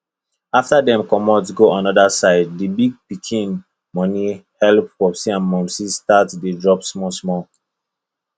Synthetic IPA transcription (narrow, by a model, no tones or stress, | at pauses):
aftadɛ̃mkɔmɔsɡoʔɔ̃nɔdasaɪd̚ːibiɡ̚pikʰĩn | mɔnihɛlpwɔpsiãnmɔ̃nsistatdedɹɔpsmɔsmɔ